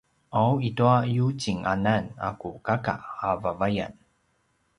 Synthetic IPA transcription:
ʔawituajut͡ɕiŋʔanana̰kukaka̰avavaja̰n

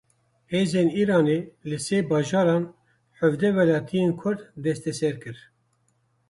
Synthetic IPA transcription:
heːzeːniːɾɑːneːlɨseːbɑːʒɑːɾɑːn | ħəvd̪ɛwɛlɑːt̪ʰijeːnkʰʊɾd̪d̪ɛst̪ɛsɛɾkɨɾ

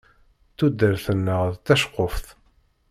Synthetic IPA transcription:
θud̪ːəɾθənːəʁðt̪æʃqːofθ

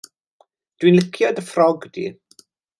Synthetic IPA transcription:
d̥winlˠɪkʰjɔdəfrɔɡdḭ

